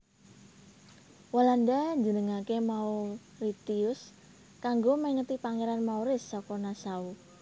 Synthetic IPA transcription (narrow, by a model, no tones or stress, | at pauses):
walandaɲd͡ʒənəŋakemau | rit̪iʊs | kaŋɡomɛŋət̪ipaŋeɾanmauɾɪsːɔkɔnasau